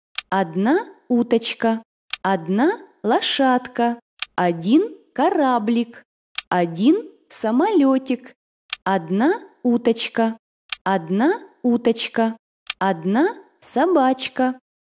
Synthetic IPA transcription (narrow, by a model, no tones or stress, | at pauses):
ɐd̪naut̪ɐt͡ɕkɐ | ɐd̪nalˠɐʂat̪kɐ | ɐdʲinkɐɾablʲik | ɐdʲin | sɐmɐlʲotʲɪk | ɐd̪naut̪ɐt͡ɕkɐ | ɐd̪naut̪ɐt͡ɕkɐ | ɐd̪na | sɐbat͡ɕkɐ